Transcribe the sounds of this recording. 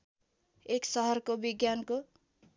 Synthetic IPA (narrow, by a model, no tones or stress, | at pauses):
eksʌɦʌrkobiɡjanko